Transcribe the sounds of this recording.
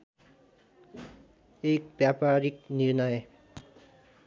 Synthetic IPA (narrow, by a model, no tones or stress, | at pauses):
ek̚bjapaɾik̚niɾnʌj